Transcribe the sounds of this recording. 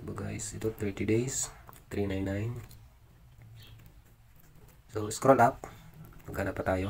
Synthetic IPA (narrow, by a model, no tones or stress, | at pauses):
bəɡajsit̪ut̪ɾit̪idejst̪ɾinajnːajn | soskɾɔlap̚məɡanapat̪ajɔ